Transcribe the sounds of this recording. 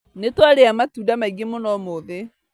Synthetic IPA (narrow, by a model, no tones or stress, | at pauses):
netwaɾeamatudamaiɣemonɔmoðe